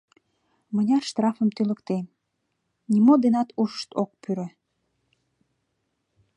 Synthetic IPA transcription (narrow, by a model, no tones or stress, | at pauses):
mənʲɑrʃt̪rɑfəmt̪yləkt̪em | nʲimod̪enɑt̪uʃʃt̪ok̚pyɾø